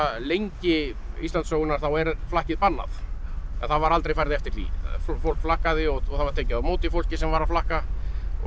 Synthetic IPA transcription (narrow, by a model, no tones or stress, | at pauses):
lejɲcɪ | ḭst̪ant̪soːwɣʏnaɾ̥θawɛɾflahcɪðpanːa̰θaθaðvaɾalt̪ɾejfajɾðɪɛft̪ɪɾ̥t̪vḭffowl̥kflahkaðɪɔɣɔɣθavaɾ̥t̪ʰɛːcɪðamoːwt̪ifowl̥cɪsɛmvaɾaflahka